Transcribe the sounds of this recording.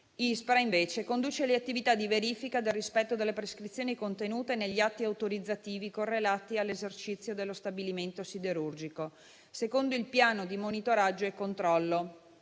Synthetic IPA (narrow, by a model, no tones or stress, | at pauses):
ispɾaiɱveːt͡ʃekond̪uːt͡ʃeleat̪ːivit̪ad̪iveɾiːfikad̪elrispɛt̪ːod̪elːepɾeskɾit̪sːjoːnikont̪enuːt̪eneʎːiat̪ːiawt̪oɾid̪zːat̪iːvikorːelaːt̪ialːezert͡ʃit̪sːjod̪elːost̪abiliment̪osid̪eɾurd͡ʒiko | sekond̪oilpjaːnod̪imonit̪oɾad͡ʒːoekːont̪ɾɔlːo